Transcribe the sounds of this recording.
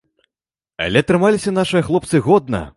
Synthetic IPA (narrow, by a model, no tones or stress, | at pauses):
ɐ̰lʲɛt̪ɾɨmalʲisʲɐnaʂɨjɐxlˠɔp̚t̪sɨɣɔd̪nɐ̰